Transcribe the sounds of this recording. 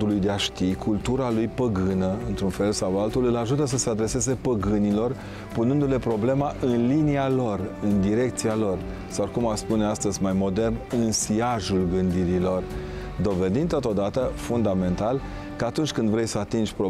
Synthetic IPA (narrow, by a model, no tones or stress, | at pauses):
d̪ulujd̪eaʃt̪ikʰult̪uɾalujpəɡɨnəɨnt̪ɾunfe̞lsawalt̪ulɨlaʒut̪əs̬əsead̪ɾe̞se̞ze̞pəɡɨnilo̞r | punɨnd̪ule̞pɾo̞ble̞maʔɨnlinialo̞rɨnd̪iɾe̞kt̪sialo̞r | sawkumaspuneast̪əzʲmajmo̞d̪e̞rnɨnsiaʒulɡɨnd̪iɾilo̞r | d̪o̞ve̞d̪ind̪t̪ot̪o̞d̪at̪əfund̪ame̞nt̪al | kəat̪unt͡ʃʲkɨnd̪vɾe̞jsəat̪ind͡ʒʲpɾo